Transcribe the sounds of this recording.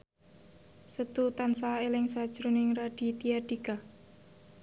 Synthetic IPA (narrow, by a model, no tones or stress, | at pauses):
sət̪ut̪ansaelɪŋsad̥ʒ̥ɾunɪŋraɖ̥i̤t̪ijaɖ̥ika